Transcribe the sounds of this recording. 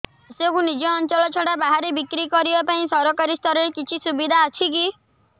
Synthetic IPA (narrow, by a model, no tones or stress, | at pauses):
asekunid͡ʒɔːnt͡ʃɔlɔt͡ʃʰɔɽabaɦaɾebikɾikɔɾibapaĩsɔɾɔkaɾist̪ʰɔɾɔɾekit͡ʃʰisubid̪ʱaːt͡ʃʰiki